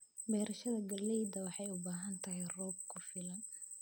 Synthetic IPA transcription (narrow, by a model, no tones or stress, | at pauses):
bɛːɾɐʃɐðɐɡɐlɛjd̪ɐwɑħɑjʊbaːɦɐnt̪ʰɐɦɪrɔːb̚kʰʊfɪlɐn